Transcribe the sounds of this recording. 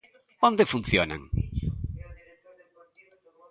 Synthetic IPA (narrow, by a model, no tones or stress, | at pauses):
õnd̪ɪfunθjonɐ̰ŋ